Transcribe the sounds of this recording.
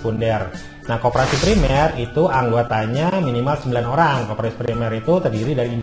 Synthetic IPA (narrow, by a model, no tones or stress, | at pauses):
pundɛr | nahkopoɾasipɾimɛrit̪uʔaŋɡuat̪aɲaminimalsəmbilanoɾaŋkopɾasi̥pɾimɛɾit̪ut̪ərdiɾidaɾiːn